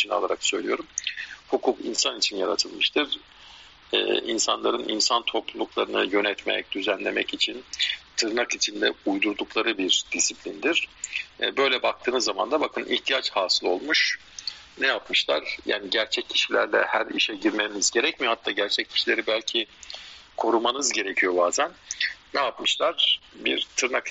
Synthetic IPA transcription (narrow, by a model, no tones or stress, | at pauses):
t͡ʃʰina̰lˠaɾaksø̞̰jlʲijo̞ɾumhukʰukḭnsanit͡ʃʰinjaɾa̰t̪ʰɯlˠmɯʃt̪ʰɯɾ | ɛ̰ːḭnsanlˠaɾɯnʔḭnsant̪ʰo̞plˠulˠuklˠaɾɯnɯjø̞nɛt̪mɛ̰c̚d̪yzænlʲe̞mɛcit͡ʃʰint̪ʰɯɾnakit͡ʃʰind̪ɛujd̪uɾd̪uklˠaɾɯbiɾd̪̥isiplʲind̪iɾ̥̰bø̞jlʲɛbak̚t̪ʰɯːnɯzːama̰nd̪abakʰɯnʔḭçt̪ʰijat͡ʃhaːsɯlˠo̞lˠmuʃ | nɛjapmɯʃlˠa̰ɾ̥ja̰ːniɟæɾt͡ʃʰɛcʰːi̥ʃilʲæ̰ɾlʲɛ̰hæɾḭʃɛɟiɾmenizɟe̞ɾɛcmihat̪ʰːaːɟæɾt͡ʃʰɛc̚ːʰi̥ʃilʲe̞ɾibælʲcʰi | kʰo̞ɾumanɯzɟe̞ɾe̞cʰijo̞baːzænː | ɛjapmɯʃlˠaɾ̥bḭɾt̪ʰɯɾnak